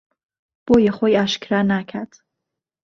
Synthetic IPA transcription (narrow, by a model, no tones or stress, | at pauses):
b̥ojeχojaʃkɾanakʰad̪̥